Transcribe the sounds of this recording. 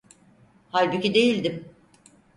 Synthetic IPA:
halʲbucid̪e̞jilʲd̪im

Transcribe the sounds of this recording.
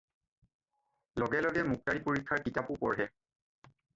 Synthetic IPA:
lɔɡɛlɔɡɛmuk̚taɹipoɹikʰːaɹkitapupɔɹɦɛ

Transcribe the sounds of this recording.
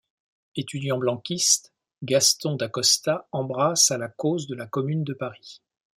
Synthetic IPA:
et̪yd̪jɑ̃blɑ̃kʲist̪ | ɡast̪ɔ̃d̪akɔst̪aɑ̃bʁasalakozd̪əlakɔmynd̪əpaʁi

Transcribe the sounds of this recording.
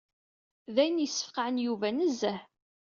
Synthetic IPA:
ðæjənjəsːə̥fqʕənjuvænəzːæh

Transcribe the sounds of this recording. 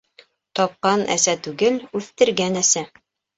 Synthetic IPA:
t̪ɒp̚qɑnæ̰sæt̪ʉɡɘlʉθt̪ɘ̆ɾɡænæsæ

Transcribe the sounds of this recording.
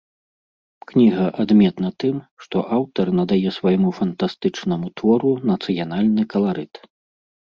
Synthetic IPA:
knʲiɣɐʔad̪mʲɛt̪nɐt̪ɨmʂt̪ɔʔawt̪ɐrnɐd̪ajɛsvajmufɐnt̪ast̪ɨt͡ʂnɐmut̪vɔɾunɐt̪sɨjanalʲnɨkɐlˠaɾɨt̪

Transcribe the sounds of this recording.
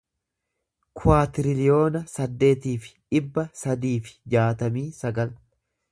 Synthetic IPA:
kʰʊwaːt̪ɪɾɪlɪjo̞ːnɐsɐd̪ːe̞ːt̪iːfɪ̥ᶑɪbːɐsɐd̪iːfɪ̥d͡ʒaːt̪ɐmiːsɐɡɐl

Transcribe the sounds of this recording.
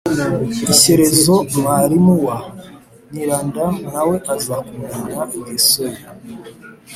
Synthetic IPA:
iseɾezoβaɾimuwa | ɲiɾaːndamnawe̞ʔazakumananesoji

